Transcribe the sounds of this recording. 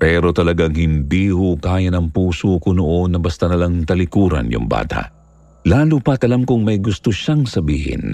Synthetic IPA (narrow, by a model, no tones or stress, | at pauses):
pɛːɾo̞t̪ɐlɐɡaŋhɪnd̪iːhokaːjɐnɐŋpuːsokonoʔo̞nːɐbɐst̪ɐnɐlaŋt̪ɐlɪkuːɾɐ̰njʊ̰ŋba̰ːt̪a̰ʔ | laːlupɐt̪ɐlamkʊŋmɐjɡʊst̪oʃaŋsɐbiːhɪ̰n